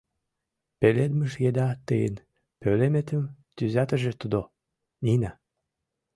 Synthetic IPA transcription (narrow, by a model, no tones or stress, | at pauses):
peled̪məʃjed̪ɑt̪ɨjə̰n | pølemet̪ə̆m | t̪yzɑt̪ə̆ʒĕt̪ud̪o | nina